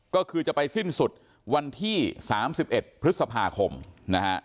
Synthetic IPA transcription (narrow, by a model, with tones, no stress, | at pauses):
kɔː˥˩kʰɯː˧t͡ɕa˨˩pa˧jsi˥˩nsu˨˩t̪̚ | wa˧nt̪ʰiː˥˩saː˩˦msi˨˩p̚ʔe˨˩t̪̚pʰɾɯ˦˥t̪̚sa˧pʰaː˧kʰo˧mna˦˥kʰa̰˦˥ʔ